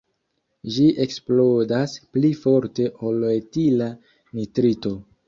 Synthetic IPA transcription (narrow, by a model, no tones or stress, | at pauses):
d͡ʒiʔe̞ksplodasplifo̞ɾte̞ʔoloetila | nitɾito̞